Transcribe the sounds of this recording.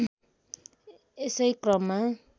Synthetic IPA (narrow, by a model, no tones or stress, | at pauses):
esʌjkrʌmːa